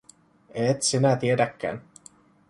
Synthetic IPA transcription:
eːt̪sinæt̪iedækːæ̰ːn

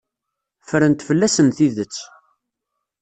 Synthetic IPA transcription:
fəɾənt̪fəlːæsənθiðət͡sː

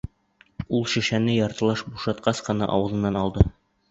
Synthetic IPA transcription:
ulˠʃɘ̆ʃænɘjɒɾt̪ɤ̆lˠɑʃbuʃɑt̪qɑsqɤ̆nɑ̰ʔɒ̰wɤ̆zɤ̆nːɑnɒlˠd̪ɤ

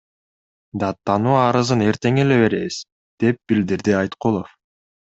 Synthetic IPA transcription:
d̪ɑt̪ːɑnuːɑɾɯzɯne̞ɾt̪e̞ŋe̞le̞βe̞ɾe̞βiz̥ | d̪̥e̞p̚bild̪iɾd̪iɑjt̪qolˠof

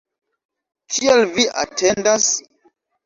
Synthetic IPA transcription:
kʰielviʔa̰tʰe̞ndas

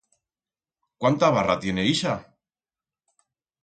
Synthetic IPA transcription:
kwant̪aβarat̪je̞ne̞iʃa

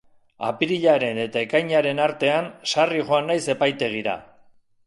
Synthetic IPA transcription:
a̰piɾiʎaɾe̞ne̞t̪ae̞kajɲaɾe̞naɾt̪e̞ansariʝo̞anːajse̞pajt̪e̞ɣ̞iɾa̰

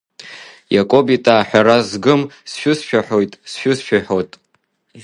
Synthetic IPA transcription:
jakʼobitʼaːħʷᶣaɾazɡɨmsʃᶣʊsʃᶣaħo̞jtʼsʃᶣʊsʃᶣaħotʼ

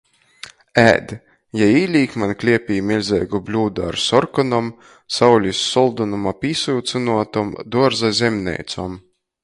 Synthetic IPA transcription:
æ̰ːd̪ | jaiːlʲiːkmanklʲiɛpʲiːmʲilʲzʲɛjɡublʲuːd̪aa̰ɾsɔɾkɔnɔm | sawlʲisʲːɔlˠd̪ɔnumapʲiːsuwt̪sɨnuɔt̪ɔmd̪uɔɾzazʲɛmnʲɛ̰jt̪sɔm

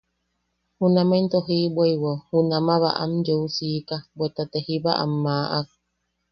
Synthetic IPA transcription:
hunament̪oɦibwejwohunamaβaʔa̰md͡ʒousikabʷet̪at̪ehiβaʔa̰mːaʔak̚

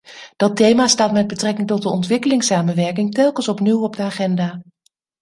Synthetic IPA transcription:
d̥ɑtejmaːstaːtmɛd̚bətrɛkɪŋtɔt̚dəɔntʋɪkəlɪŋsaːmənʋɛɹkɪŋtɛlˠkənsɔpniwɔb̚dəaːχɛndaː

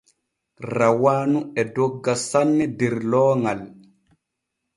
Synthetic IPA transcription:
rawaːnuɛdɔɡːasanːɛdɛɾlɔːŋal

